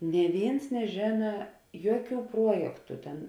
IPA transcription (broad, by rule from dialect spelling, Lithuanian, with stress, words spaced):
nʲeː ˈʋʲeːɪns nʲɛˈʒʲeːnɐ ˈjuɔˌkʲuː ˈpruɔjɛktʊ ˈtʲɛn